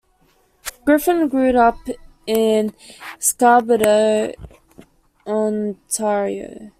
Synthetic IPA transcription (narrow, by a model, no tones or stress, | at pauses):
ɡ̥ɹɪfə̃nɡɹʉɾʌp | ɪ̃nskɑbəɾəʊ | ə̃ntʰɛɹiə̰ʊ